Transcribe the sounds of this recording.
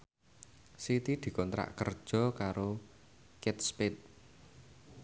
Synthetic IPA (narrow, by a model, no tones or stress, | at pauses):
sit̪id̪̥i̤kɔnt̪ɾa̰ʔkə̰rd̥ʒ̥ɔ̤kaɾo | kɪt̪̚spɪt̪̚